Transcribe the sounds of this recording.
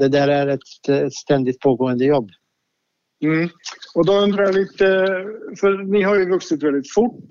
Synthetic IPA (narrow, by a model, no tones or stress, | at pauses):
d̪ɛd̪æːɾæɾɛt̪ɛt̪st̪ɛnd̪ɪt̪̚pʰoːɡoːənd̪əjɔbː | m̩ɔd̪ɔɵnd̪ɾajaliːt̪əfœɾnɪɦaɾjɵvɵksɪt̪vɛld̪ɪt̪fʊʈː